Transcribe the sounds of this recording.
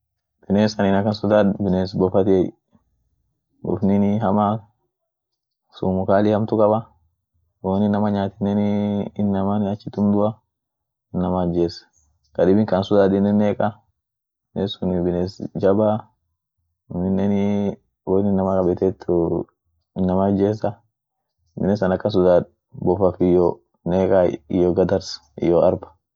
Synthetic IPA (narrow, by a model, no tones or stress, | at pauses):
b̥ɪneːsɐnɪnɐkɐnsʊd̪abɪneːsbɔfɐt̪ɪɛj | bɔ̰fniniɦɐma | sṵmʊkaːlɪhɐmt̪ʊkʼɐbɐ | wonɪnːɐmɐɲaːt̪ɪnːɛniːnːɐmanɪɐt͡ʃːɪt̪ʊmd̪ʊa | ɪnːɐmaːd͡ʒeːs | kɐdɪbɪŋkɐnsʊd̪adɪnːɛnːekʼa | nesʊnbɪnesd͡ʒɐba | nɪnːɛnɪ | wɔnɪnːɐmɐkʼɐbɛt̪ɛt̪ʰːʊ | ɪnːɐmɐd͡ʒːeːs̬ɐ | bɪnɛs̬ɐnɐkːɐns̬ʊd̪aːᶑ | bɔfɐfɪjo | neːkʼaɪ̰joːɡɐd̪ɐɾs | ɪ̰joːɐɾbɐ̥